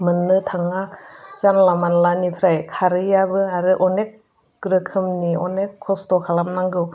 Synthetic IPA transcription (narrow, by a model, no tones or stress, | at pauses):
mɯnːɯtʰaŋazanlamanlanipʰɾajkʰaɾɯjabɯaɾɯʔɔnek̚ | ɡ̥ɾɯkʰɯmniɔnekʰːɔstɔkʰalamnaŋɡɯw